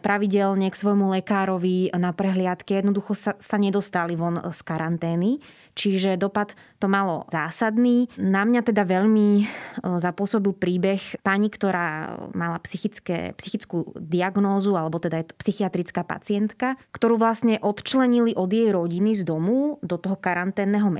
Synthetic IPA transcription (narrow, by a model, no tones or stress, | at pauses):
pɾaʋiɟɛlɲɛksʋɔjmulɛkaːɾɔʋinapɾɛɦlɪat̪kɛjɛd̪nɔd̪uxɔsasaɲɛd̪ɔst̪aliʋɔnskaɾant̪ɛːni | t͡ʃiʒɛd̪ɔpat̪ | t̪ɔmalɔ̰zaːsad̪niːnamɲat̪ɛd̪aʋɛʎmi | zapʊɔsɔbilpɾiːbɛxpaɲikt̪ɔɾaːmalapsixit͡skɛ̰ːpsixit͡skuːd̪iaɡnɔːzualɛbɔt̪ɛd̪ajɛt̪ɔ̥psixiat̪ɾit͡skaːpa̰t͡sɪɛnt̪kakt̪ɔɾuːʋlasɲɛʔɔt̪t͡ʃlɛɲiliʔɔd̪jɛjɾɔɟinizd̪ɔmuːd̪ɔt̪ɔɦɔkaɾant̪ɛːnːɛɦɔmɛ